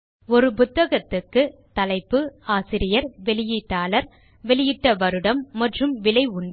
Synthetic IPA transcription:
ɔɾɯpʊt̪ːɐɣɐt̪ːɯkːɯt̪ɐlɐɪpːɯaːsɪɾɪjɐɾʋɛɭɪjiːʈːaːlɐɾ | ʋɛɭɪjɪʈːɐʋɐɾɯɽɐmːɐʈrɯmʋɪlɐɪʊɳɖ

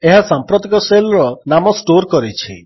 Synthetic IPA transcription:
eɦasampɾɔt̪ikɔselɾɔnamɔsʈoɾkɔɾit͡ʃʰḭ

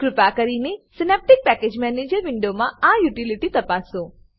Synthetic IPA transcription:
kɾʊpakəɾinesɪnep̚ʈɪk̚pɛked͡ʒmɛned͡ʒəɾʋɪɳɖomãajuʈiliʈit̪əpasõ

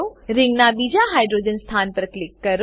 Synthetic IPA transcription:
oɾɪ̃ŋɡnãɓiːd͡ʑaɦaːɪɖɾoːd͡ʑənst̪ʰaːnpəɾklɪkːɐɾ

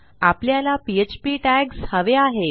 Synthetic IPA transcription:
apljalapiet͡ɕpiːʈæɡshəʋeaɦe

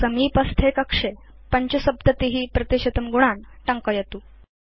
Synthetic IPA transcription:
səmiːpəst̪ʰekɐkʂe | pəɲt͡ɕəsəb̚d̪ət̪iɦiːpɾət̪iɕɐt̪əmɡuɽ̃an | ʈəŋkəjet̪uː

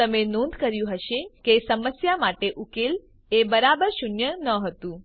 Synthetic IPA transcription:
əmenõnd̪ʱkəɾjũɦəʃekesəməsjamaʈeʔukel | ebəɾabəɾʃʊnjənəɦət̪ũ

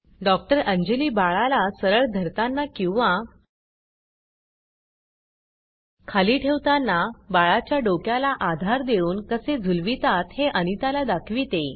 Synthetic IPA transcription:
ɖɔk̚ʈəɾəɲd͡ʑeliːbaɭalasəɾəɭd̪ʱəɾt̪anːakĩw̃ʋa | kʰaliːʈʰeʋt̪anːabaɭat͡ɕjaɖokjalaʔad̪ʱaɾd̪euːnkəsed͡zʱulʋit̪at̪heʔənit̪alad̪akʰʋit̪e

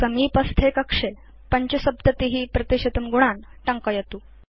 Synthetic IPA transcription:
kəmiːpəst̪ʰekəkʂe | pəɲt͡ɕəsəb̚d̪ət̪iɦiːpɾət̪iɕɐt̪əmɡuɽ̃anʈəŋkəjet̪uː

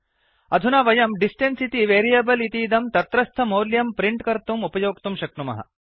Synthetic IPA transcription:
ɐd̪ʱunaːʋɐjɐmɖisʈensit̪iʋeːɾijɐbɐlit̪iːd̪ɐmt̪ɐt̪ɾɐst̪ʰɐmoːljɐmpɾiɳʈkɐɾt̪umupɐjoːk̚t̪umʃɐk̚tumɐ̰ɦɐ̰

